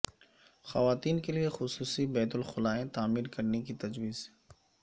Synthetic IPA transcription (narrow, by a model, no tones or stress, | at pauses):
xɐʋaːt̪iːnkeliexʊsuːsibɛːt̪ʊlxʊlaːẽt̪aːmiːɾkɐɾnekit̪ɐd͡ʒwiːz